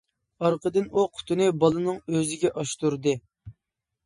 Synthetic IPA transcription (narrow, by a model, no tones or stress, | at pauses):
ɑɾqəd̪ɨnuqʰʊ̥t̪ʰɨnɨbɑlˠɨnɨŋøzɪɡʲɛʔɑʃt̪uɾd̪ɨ